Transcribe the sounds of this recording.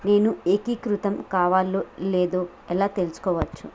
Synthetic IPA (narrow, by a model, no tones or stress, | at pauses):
ne̞ːnuekikɾut̪ɐmkaːʋaːloleːd̪oː | ɛlaːt̪e̞lusu̥kɔːʋɐt͡ʃːu